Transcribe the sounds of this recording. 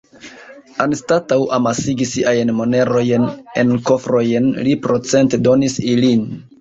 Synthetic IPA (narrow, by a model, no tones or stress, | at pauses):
anstatawʔamasiɡisiʔajnmo̞ne̞ɾo̞jne̞̰nko̞fɾo̞jnlipɾo̞t͡se̞nte̞do̞nisilin